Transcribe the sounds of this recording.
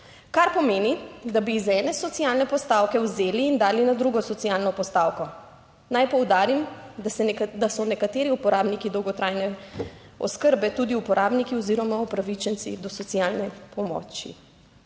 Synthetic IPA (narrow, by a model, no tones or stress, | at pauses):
kaɾpɔmeːnid̪abiːzɛnɛsɔt̪sijalnɛpɔst̪awkɛwzeːliːnd̪aːlinad̪ɾuɡɔsɔt̪sijalnɔpɔst̪awkɔ | najpɔwd̪aːɾim | d̪asɔnɛkat̪eːɾiupɔɾʔaːbnikid̪ɔwɡɔt̪ɾajnɛ | ɔ̰skəɾbɛt̪ud̪iupɔɾʔaːbnikiɔziɾɔmaupɾaʋit͡ʃɛnt̪sḭd̪ɔsɔt̪sijalnɛpɔmɔ̰t͡ʃḭ